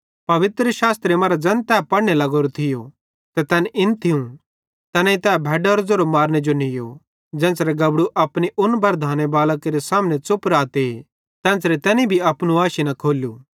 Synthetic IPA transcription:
pɐʋɪt̪ɾəʃaːst̪ɾemɐɾad͡ʒɐ̃nt̪ɛːpɐɽnelɐɡoːɾot̪ʰɪjo | t̪ɛt̪ɛːnɪnt̪ʰɪũ | t̪ɛːnãit̪ɛːbʱɛːɖaːɾd͡zoɾomaːɾned͡ʒonɪjo̰ | d͡ʒɛ̃ːnsɾeɡɐbɽuʔɐpniʔʊnbɐɾd̪ʱaːnebaːlkeɾesaːmnet͡sʊpɾaːt̪e | t̪ɛ̃ːnsɾet̪ɛ̃ːnibʱiɐpnuaːʃinɐkʰoːlju

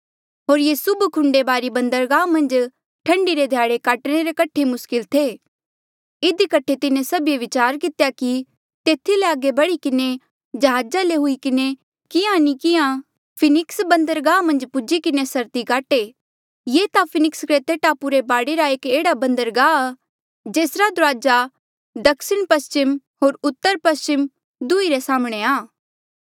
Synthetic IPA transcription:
ɦoːɾjeːsʊbkʰʊ̃ɳɖebaːɾibɐ̃nd̪əɾɡaːmɐ̃nd͡ʒ | ʈʰɐ̃ɳɖiɾed̪ʱjaːɽekaːʈɽ̃eɾekɐʈʰemʊskɪlt̪ʰeː | ɪd̪ikɐʈʰːet̪ɪnẽsɐbjeʋɪt͡ʃaːɾkɪt̪jaki | t̪eːt̪ʰileaːɡebɐɽikɪne | d͡ʒɐɦaːd͡ʒaleɦʊikɪne | kɪjãnikɪjã | pʰɪnɪksbɐ̃nd̪əɾɡaːmɐ̃nd͡ʒpʊd͡ʒikɪnesɐɾt̪ikaːʈe | jeːt̪apʰɪnɪkskɾet̪eːʈaːpuɾebaːɽeɾaeːkeːɽabɐ̃nd̪əɾɡaːa | d͡ʒeːsɾad̪ʊɾaːd͡ʒa | d̪ɐksɪɽ̃pɐst͡ʃɪm | ɦoːɾʊt̪ːəɾpɐst͡ʃɪm | d̪ʊiɾesaːmɽ̃eaː

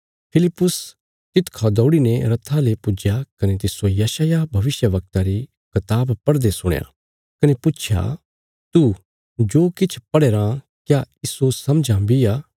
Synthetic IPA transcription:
pʰɪlɪpːʊs | t̪ɪt̪kʰad̪ɔːɽinẽɾɐt̪ʰːalepʊd͡ʒjakɐnet̪̬ɪsojɐʃajabʱɐʋɪsjəʋɐk̚t̪aɾi | kʰɐt̪aːbpɐɽd̪esʊɽ̃ja̰ | kɐnepʊt͡ʃʰja̰ | t̪u | d͡ʒoːkɪt͡ʃʰpɐɽeːɾã | kjaiːsosɐmd͡ʒʱãbiaː

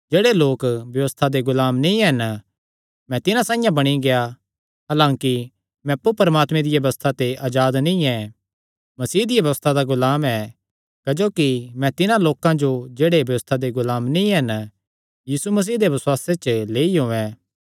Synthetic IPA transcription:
d͡ʒeːɽeloːkbjɐʋəst̪ʰad̪eɡʊlaːmnĩɦɛn | mɛ̃t̪ɪnãsãːɪ̃jãbɐɽ̃iɡeja | ɦaːlãːki | mɛ̃ɐpːupɐɾəmaːt̪mẽd̪ɪjɐʋɐst̪ʰat̪eʔaːd͡ʒaːd̪nĩɛ | mɐsiːd̪ijaʋjɐʋəst̪ʰad̪aɡʊlaːmɛ | kɐd͡ʒoːkimɛ̃t̪ɪnãloːkãd͡ʒod͡ʒeːɽebjɐʋəst̪ʰad̪eɡʊlaːmnĩɦɛn | jiːsumɐs̬iːd̪eʋɐswaːset͡ʃleːiɦõːɛ̃ː

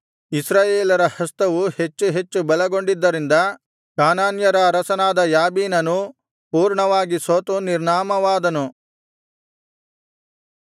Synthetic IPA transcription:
isɾaːjeːlɐɾɐhɐst̪ɐʋuhe̞t͡ʃːuɦe̞t͡ʃːubɐlɐɡo̞ɳɖid̪ːɐɾind̪ɐ | kaːnaːnjɐɾɐːɾɐsɐnaːd̪ɐjaːbiːnɐnu | puːɾɳɐʋaːɡisoːt̪uniɾɳaːmɐʋaːd̪ɐnu

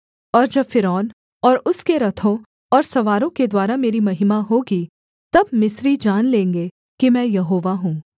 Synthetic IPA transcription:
ɔːɾd͡ʒɐbfɪɾɔːn | ɔːɾʊskeɾɐt̪ʰõ | ɔːɾsɐʋaːɾõked̪waːɾameːɾimɐɦɪmaɦoːɡi | t̪ɐbmɪsɾid͡ʒaːnlẽːŋɡe | kimɛ̃ːjɐɦoːʋaɦũː

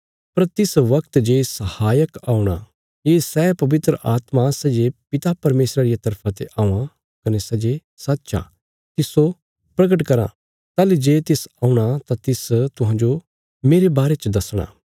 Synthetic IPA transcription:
pɐɾt̪ɪsʋɐkt̪d͡ʒeːsɐhaːjəkaːuɽ̃a̰ | jeːsɛːpɐʋɪt̪ɾəʔaːt̪masɛːd͡ʒepɪt̪apɐɾmeːsɾaɾijat̪ɐɾpʰãt̪eʔaːũã | kɐnesɛd͡ʒe | sɐtːʃa̰ | t̪ɪso | pɾɐɡəʈkɐɾã̰ | t̪aːlid͡ʒeːt̪ɪsaːuɽ̃at̪at̪ɪst̪ʊɦãːd͡ʒo | meːɾebaːɾet͡ʃd̪ɐsɽ̃a̰ː

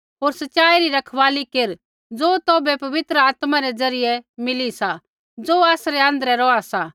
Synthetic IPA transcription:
ɦoːɾsɐtːʃaːiɾiɾɐkʰʋaːlikeɾ | d͡zoːt̪oːbɛpɐʋɪt̪ɾəaːt̪maɾɛd͡zɐɾɪjɛmɪlisa | d͡zoːaːsɾɛɐ̃nd̪əɾɛɾɔasa

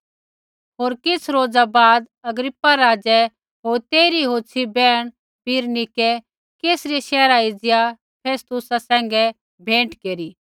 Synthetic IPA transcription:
ɦoːɾkɪt͡sʰɾoːd͡zabaːd̪ | ɐɡɾɪpːaɾaːd͡ʒɛ | ɦoːɾt̪eːɾiɦoːt͡ʃʰibɛːɽ̃ | piːɾnɪkɛ | keːsɾiʃɛːɾaid͡zɪja | pʰeːst̪ʊsasɛ̃ːŋ̆ɡɛ | bʱẽːɳʈkeːɾiː

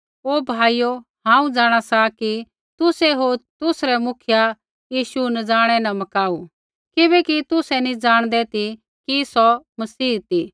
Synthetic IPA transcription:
oːbʱaːijo | ɦãːũd͡zaːɽ̃asaki | t̪ʊsɛɦoːt̪ʊsɾɛmʊkʰɪja | jiːʃunɐd͡zaːɽ̃ɛnɐmɐkaːu | kɪbɛkit̪ʊsɛnĩd͡zaːɽ̃d̪ɛt̪i | kisɔmɐsiːɦt̪i

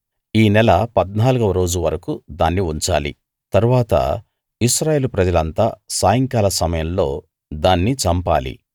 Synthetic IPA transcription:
iːnɛlɐpɐd̪naːluɡɐʋɐɾo̞ːd͡ʒuʋɐɾɐkud̪aːnːiuɲt͡ʃa̰ːlḭ | t̪ɐɾuʋaːt̪ɐ̰ | iʃɾaːje̞ːlupɾɐd͡ʒɐlɐnt̪aːsaːjɐŋkaːlɐsɐmɐjɐmlo̞̰ː | d̪aːnːit͡ʃɐmpa̰ːlḭ

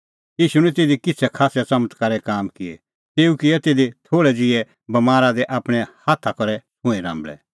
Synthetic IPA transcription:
iːʃuñɛ̃t̪eːd̪ikɪt͡sʰɛkʰaːsjat͡sɐmət̪kɐɾɛkaːmkɪḛ | t̪eːukɪɛt̪eːd̪et̪ʰoːɭɛd͡zɪɛ | bɐmaːɾad̪ɛʔaːpɽ̃ɛhaːt̪ʰakɔɾɛ | ɦʊ̃ĩɾã̰ːmbɭɛ̰

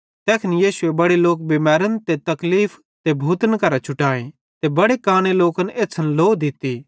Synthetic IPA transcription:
t̪ɛːkʰnjiːsʊebɐɽeloːk̚bɪmɛːɾənt̪et̪ɐkliːpʰ | t̪ebʱuːt̪ənkɐɾat͡ʃʰʊʈaːẽ | t̪ebɐɽekaːɽ̃eloːkəneːtsʰɐnloːd̪ɪt̪ːiː

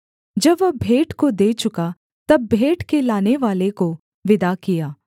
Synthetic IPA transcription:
d͡ʒɐbʋɐbʱeːʈkod̪eːt͡ʃʊka | t̪ɐbːʱeːʈkelaːneʋaːleko | ʋɪd̪akijaː

